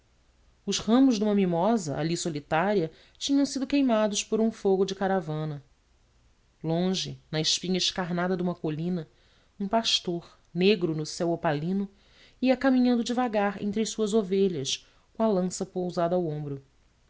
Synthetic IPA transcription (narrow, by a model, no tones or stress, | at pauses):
ʊʃhɐ̃mʊʒd̪ũmɐmimɔzɐʔa̰lisolit̪aɾiɐ | t͡ʃĩɲɐ̃w̃sid̪ʊkejmad̪ʊʃpoɾũfoɡʊd͡ʒɪkaɾavɐ̃nɐ | lõʒɪnɐɪʃpĩɲɐɪʃkaɾnad̪ɐd̪ũmɐkolĩnɐ | ũpaʃt̪oɾ | neɡɾʊnʊsɛwopalĩnʊ | iɐkamĩɲɐ̃nd̪ʊd͡ʒɪvaɡaɾḛ̃nt̪ɾɪɐjsuɐzoveʎɐʃ | kõɐlɐ̃sɐpowzad̪ɐawõmbɾʊ